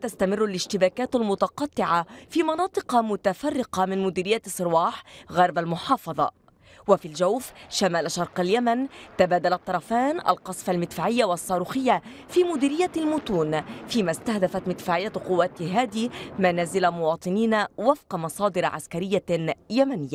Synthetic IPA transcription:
t̪ast̪amɪrːalɪʃt̪ɪbaːkaːt̪almʊt̪ɑqɑt̪ːɪʕafiːmɑnɑːt̪ˤɨqɑmʊt̪afarːɪqɑmɪnmʊd̪iːɾɪjːasˤːɨɾwɑːħɣɑɾˤbalmʊħɑːfɑðˤɑ̰ | wafiːld͡ʒawfʃamaːlʃɑɾˤqaljamant̪abaːd̪alat̪ˤːɑɾˤɑfaːnʔa̰lqɑsˤfalmɪt̪faːʕɪjːawɑsˤːɑːɾuːxɪjːafiːmʊd̪iːɾɪjːalmʊt̪uːnfiːmast̪ahd̪afat̪mɪt̪faːʕɪjːaqʊwːat̪ɦaːd̪imanaːzɪlamʊwɑːt̪ˤɨniːnawafqɑmɑsˤɑːd̪ɪɾʕa̰skaɾɪjːajamanɪjːa

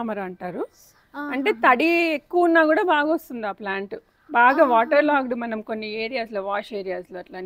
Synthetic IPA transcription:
mɐɾɐɳʈaːɾu | ɐɳʈe̞ːt̪ɐɽiekːuʋunːaːkuːɽaːbaːɡɐost̪und̪iaːplaːɳʈu | baːɡaːʋaːʈɐɾlaːɡɐɽimɐnɐmko̞nːieːɾijaːsloːʋaːʂe̞ːɾijaːsloːɐʈlan

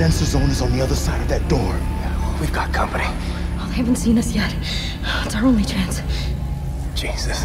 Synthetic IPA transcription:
ɛ̃nsə˞zõʊ̃nzn̩ðiʌðə˞saɪɾʌvðɨt̚d̥ɔɹwivɡɑt̚kʰʌ̃mpɨni | oðehævn̩tsĩnʌsjɛt̚ | ɪtsaə˞õʊ̃nlit͡ʃʰæ̃ns | d̥ʒ̥iz̥ɨs

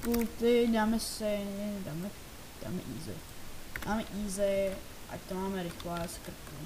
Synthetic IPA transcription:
kut̪edaːmɛssɛdamɛ | d̥a̰mɛ̰ʔḭːzɛ̰ | daːmɛʔiːzɛ | ʔa̰t̪omaːmɛɾɪxlaːskɾt̪u

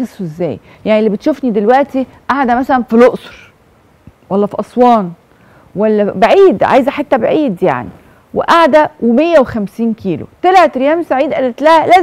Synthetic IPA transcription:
esˤːʔezːæ̰ːj | jaʕniʔlːibet̪ʃufnid̪elwæʔt̪i | ʔaʕd̪æmæsælænfiloʔsˤɾ | wælːæfiʔɑsˤwɑːn | wælːæbaʕiːd̪ʕa̰ːjzæħet̪ːæbeʕiːd̪ja̰ʕnḭ | wḛʔaʕd̪æwemejːæwexæmsiːnkʰiːlo̰t̪elʕet̪ɾejæːmsaʕiːd̪ʔælːet̪læhælæː

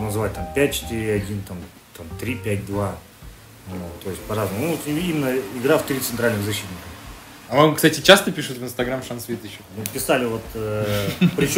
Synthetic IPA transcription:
nəzɨvat̚ʲt̪ampʲæt̚ʲt͡ɕɪ̥t̪iɾʲɪɐdʲint̪am | t̪amt̪ɾʲipʲætʲd̪va | oɡət̪o̞ɪsʲtʲpɐɾazəmʊnuot̪iimʲɪnːəɪɡɾaft̪ɾʲit̪sɨnt̪ɾalʲnɨɣzɐɕːit̪ʲnʲɪkə | ɐmakst̪atʲɪt͡ɕast̪əpʲiʂɨt̪vɨnst̪ɐɡɾamʂansvʲet̪ɪɕːonupʲɪsalʲɪvo̞t̪əpɾʲɪt͡ɕ

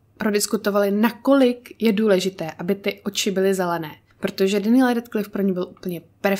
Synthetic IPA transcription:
pɾodɪskut̪o̞valɪnako̞lɪkjɛduːlɛʒɪt̪ɛːʔabɪt̪ɪʔo̞t͡ʃɪbɪlɪzɛlɛnɛː | pɾo̞t̪o̞ʒɛdɪniːlɛdɛt̪klɪfpɾoɲɛbɪlʔupl̩ɲɛpɛɾ

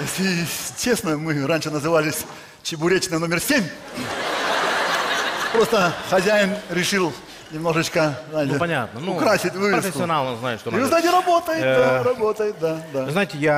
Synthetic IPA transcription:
esʲɪt͡ɕe̞snəmɨɾanʲʂɨnəzɨvalʲɪsʲ | t͡ɕɪbʊɾʲet͡ɕnəno̞mʲɪrsʲemʲ | pɾo̞st̪əxɐzʲæjɪnɾʲɪʂɨlˠ | nʲɪmno̞ʐɨt͡ɕkəznaɪt̪ʲɪpɐnʲa̰t̪̚nənʊkɾasʲɪtʲvɨvʲɪsfsɪskʲːɪɐnalˠnəznaɪʂt̪oɨznaɪt̪ʲɪɾɐbo̞t̪əjɪt̪aɾɐbo̞t̪əjɪt̪̚d̪ad̪aɨznajɪtʲɪja

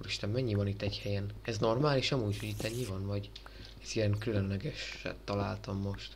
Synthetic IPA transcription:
ɾiʃt̪ɛmːmɛɲːivɒnit̪ːɛchɛjɛnɛzno̞rmaːliːʃɒmuːcho̞ɟit̪ːɛɲːivɒnvɒɟ | ɛzijɛŋkylønlɛɡɛʃɛ̰t̪ːɒlaːlt̪ɒmːo̞ʃt̪

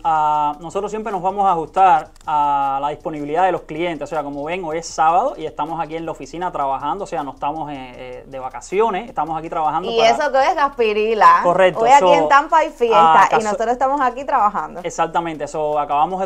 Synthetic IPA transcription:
anosot̪ɾos̬jempɾeno̞zβamosahust̪aɾ | alaðispo̞niβiliðaðe̞lo̞skliẽnt̪esose̞akomoβe̞ŋojesːaβaðoʔie̞st̪amosakie̞ŋlaofisinat̪ɾaβahãnd̪ose̞anoet̪amo̞seed̪e̞βakasjo̞neseht̪amosakit̪ɾaβahand̪ies̬okeojezɣɡaspiɾilakorek̚t̪ojaksoient̪ampaifjest̪a̰ʔisnosot̪ɾosest̪amosakit̪ɾaβaɦã̰nd̪oesak̚t̪amẽnt̪eesoakaβamoɦe

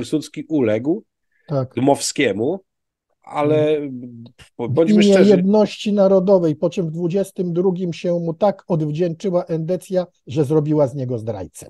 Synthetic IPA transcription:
sut̪skʲiʔulɛɡw | t̪akd̪mɔfskʲɛmu | a̰lɛ | bɔɲimmjɛjɛd̪nɔɕt͡ɕinaɾɔd̪ɔvɛjpɔt͡ʂɛmvd̪vud͡ʑɛst̪ɘmd̪ɾuɡʲimɕɛmut̪akɔd̪vd͡ʑɛnt͡ʂɘwaʔɛnd̪ɛt̪sʲja | ʐɛzɾɔbʲiwazɲɛɡɔzd̪ɾa̰jt̪sɛ̥̰

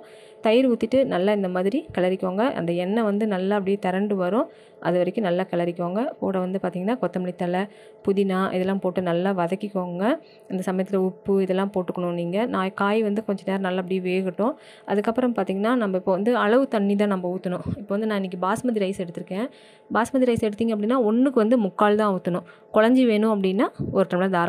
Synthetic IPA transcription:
t̪ɐjɪɾuːt̪ːɪʈːɯnɐlːaːɪnd̪ɐmaːðɪɾikɐlɐɾɪkːoːŋɡɐʔɐ̰nd̪ɐɛnːɐʋɐnd̪ɯnɐlːaːɐp̬ːɽɪjeːt̪ɛɾɐɳɖɯʋɐɾʊ̃ | ʔɐ̰ðɯʋɐɾɐkːɯ̃nɐlːaːkɐɭɐɾɪkːoːŋɡɐpoːɽɐʋɐnd̪ɯpaːɾt̪iːŋɡɐnːaːkɔt̪ːɐmɪɭɪt̪ːɐlɐ | pʊðɪnaːʔɪðɛlːãːpoːʈːɯnɐlːaːʋɐðɐkːɪkːoːŋɡɐ | ɪnd̪ɐsɐmɐjɐt̪ːɪlɐʊpːɯɪðɛlːãːpoːʈːɯkːɐɳʊ̃niːŋɡɐnãːjkaːjʋɐnd̪ɯkɔɲd͡ʒɐneːɾɐ̃nɐlːaːɐp̬ːɐɽijʋeːɣɪʈːʊ̃ | ʔɐðɯkːɐpːɯɾɐmpaːɾt̪iːŋɡɐnːaːnɐmbɐɪpːoːʋɐnd̪ɯɐɭɐʋɯt̪ɐɳːit̪̬ãːnɐmbɐuːt̪ːɐnʊ̃ɪpːoːʋɐnd̪ɯnãːɪnːɪk̬ːɯbaːsmɐðɪɾɐɪsɛɽɯt̪ːɯɾɯkːẽː | baːsmɐðiɾɐɪsɛɽɯt̪ːiːŋɡɐp̬ːɐɽɪinːaːɔnːɯkːɯʋɐnd̪ɯmʊkːaːlt̪ãːuːt̪ːɐnʊ̃ | kɔɻɐɲd͡ʒiʋeːnʊ̃ɐpːɐɽɪnːaːɔɾɯʈːɐmlɐd̪aːɾa

